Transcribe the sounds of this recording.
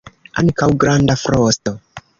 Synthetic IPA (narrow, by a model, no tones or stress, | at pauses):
a̰ŋkawɡɾandafɾosto